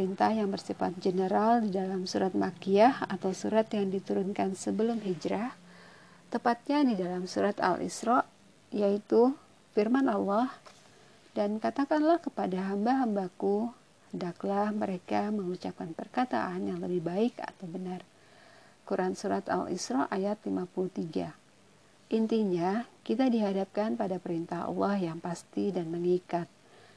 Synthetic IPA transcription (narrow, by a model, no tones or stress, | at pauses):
pəɾint̪ahjaŋbərsifat̪̚d͡ʒənəɾaldidalamsuɾat̪̚makiahat̪awsuɾat̪jaŋdit̪uɾʊnkansəbəlʊmɦid͡ʒɾa | t̪əpat̪̚ɲadidalamsuɾat̪a̰lʔḭsɾɔʔ | jait̪u | firmanalːɔh | dankat̪akanlahkəpadaɦambaɦambaku | həndaklahməɾekaməŋut͡ʃap̚kanpərkat̪a̰ʔanjaŋləbɪhbaɪka̰t̪awbənar | kuɾʔansuɾat̪a̰lḭsɾɔʔajat̪limapuluht̪iɡa | ʔint̪iɲakit̪adiɦadap̚kanpadapəɾint̪aɦa̰lːɔhjaŋpast̪idanməŋikat̪̚